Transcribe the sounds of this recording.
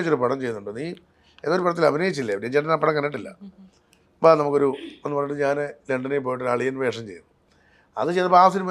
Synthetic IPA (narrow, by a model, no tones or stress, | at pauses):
t͡ɕːo̞ɾupɐɽɐmt͡ɕe̞junːuɳɖɨniː | enːoɾupɐɽɐt̪ːilɐbʱinɐjit͡ɕːilːɐɐned͡ʑenɐnɐpːɐɽɐŋkɐnːiʈːilːɐ̰ | banɐmukːo̞ɾuenːɨpɐrːiʈːɨɲaːnɨleɳɖɐnejip̬ːojiʈːoɾɐɭijɐnʋe̞ːʂɐmt͡ɕe̞jnːu | ɐ̰ðɨt͡ɕejt̪ɐpaːʋɐsinum